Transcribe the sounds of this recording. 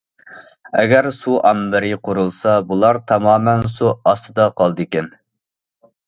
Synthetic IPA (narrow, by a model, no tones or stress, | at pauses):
ɛɡʲæɾsuʔɑmbɪɾɪqʰʊɾulˠsɑbulˠɑɾt̪ʰɑmɑːmɛnsuɑst̪ɨd̪ɑqʰɑlˠd̪ɨkʲɛn